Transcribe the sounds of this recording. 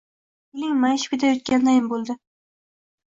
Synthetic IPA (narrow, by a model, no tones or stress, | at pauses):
ʊlɪŋmajɪʃɪ̥kʲɪd̪ajot̪̚kʲand̪ajɪmbolˠd̪ɪ